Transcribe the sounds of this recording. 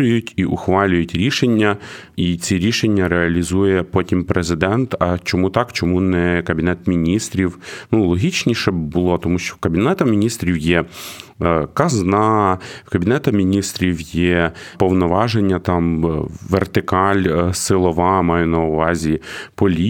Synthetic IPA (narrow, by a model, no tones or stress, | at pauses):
ʊjʊtʲiʔʊxʋɑlʲʊjʊtʲɾʲiʃenʲːɐ | it͡sʲiɾʲiʃenʲːɐɾeɐlʲizujɛpɔtʲimpɾezɪd̪ɛnt̪ɐt͡ʃɔmut̪ɑkt͡ʃɔmunɛkɐbʲinɛt̪mʲinʲist̪ɾʲiwnulˠɔɦʲit͡ʃnʲiʃɛbʊlˠɔt̪ɔmuʃt͡ʃɔkɐbʲinɛt̪ɐmʲinʲist̪ɾʲiwjɛ | kɐznɑkɐbʲinɛt̪ɐmʲinʲist̪ɾʲiwjɛpɔwnɔʋɑʒenʲːɐt̪ɑmʋert̪ɪkɑlʲsɪlˠɔʋɑmɑjʊnɐʊʋɑzʲipɔlʲi